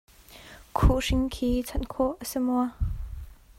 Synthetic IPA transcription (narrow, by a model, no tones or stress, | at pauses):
kʰuʔʂɪŋkʰiːt͡sʰɐnkʰɔʔəsimɔa